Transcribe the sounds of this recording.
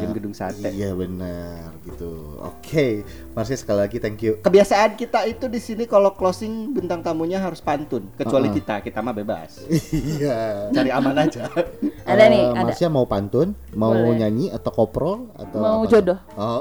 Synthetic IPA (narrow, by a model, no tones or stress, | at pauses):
amɡədʊŋsa̰tiɛ̰jabənərɡit̪u | o̰kʰe | maɾs̬ɲasə̥kalilaɡit̪ɛŋkjukəbiasaʔːnkit̪ait̪udisinikaloklosɪŋbənt̪aŋt̪amuɲaɦaɾʊspant̪ʊnkət͡ʃualikit̪akit̪amabeba̰sijat͡ʃaɾiamanad͡ʒaaamaɾsiɲamaupant̪ʊnmauɲaɲiat̪awkopɾɔla̰t̪awmaud͡ʒodɔh | o